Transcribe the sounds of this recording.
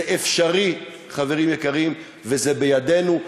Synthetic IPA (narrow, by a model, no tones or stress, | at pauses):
ʔefʃaʁi | χave̞ʁimjekaʁim | vezebejad̪e̞nu